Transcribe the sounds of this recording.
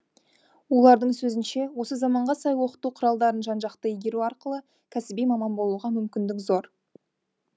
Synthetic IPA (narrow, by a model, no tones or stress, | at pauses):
wo̞lˠɑɾd̪əɴsɵzɪnʃe̞wo̞səzɑmɑɴʁɑsɑjwo̞qə̥t̪uqʰʊɾɑlˠd̪ɑɾənʒɑnʒɑqt̪əeɡʲe̞ɾuɑɾqəlˠə | kʲʰæsɪbijmɑmɑnbo̞lˠuʁɑmʏmkʲɪnd̪ɪkzo̞ɾ